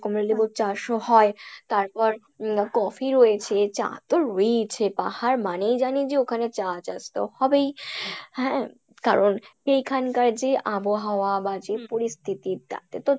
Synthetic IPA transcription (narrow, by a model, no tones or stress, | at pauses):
komɾelibut͡ɕaʃohɔet̪aɾpɔɾ | kɔfiɾojet͡ɕʰet͡ɕa̰t̪oɾoit͡ɕʰepahaɾmanejd͡ʑanid͡ʑeokʰanet͡ɕat͡ɕast̪o̰hɔbejɦɛ̃ | ka̰ɾonejkʰankaɾd͡ʑeʔaboɦaoabad͡ʑepoɾist̪ʰit̪it̪a̰t̪et̪o